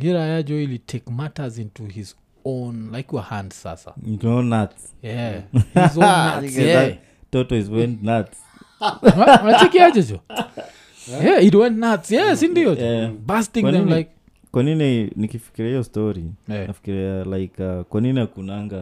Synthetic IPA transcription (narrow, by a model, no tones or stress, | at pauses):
hiɹajad͡ʒɔlitʰekmatəzĩntuhiz | õnlaɪkjɔhãnd̥sa̰sa̰tonːats | jɛhizõnːa̰tɛa | tɔtɔizwɛ̃ntnats | anat͡ʃɛkiat͡ʃad͡ʒɔ | jɛit̬wɛ̃ntnatsjasĩndiɔjbastĩðɛ̃mlaɪk̚ | kwanininikifi̥kiɾiiɔstɔɾijnafi̥kiɾialajkakwaniniakunaŋɡa